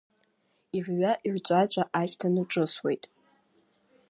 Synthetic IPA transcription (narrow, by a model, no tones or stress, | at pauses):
irɥaʔiʕʷt͡ʃʷʼat͡ʃʷʼaʔaʃtʰanuʈ͡ʂʼɨswe̞̰jtʼ